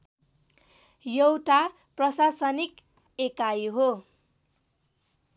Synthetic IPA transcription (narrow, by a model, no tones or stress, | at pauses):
jʌwʈa | prʌsasʌnik | ekajɦo